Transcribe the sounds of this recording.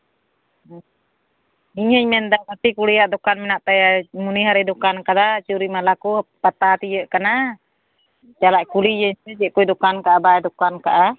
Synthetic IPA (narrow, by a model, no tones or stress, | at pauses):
iɲhəɲmɛnd̪akat̪ikulijaʔd̪ɔkanmɛnaʔt̪ajamuniɦaɾɛdɔkankad̪at͡ʃuɾimalakuhpat̪at̪ijəʔkana | t͡ʃalaʔkulijəɲsɛt͡ʃɛʔkujd̪ɔkankaʔabaɛd̪ɔkankaʔa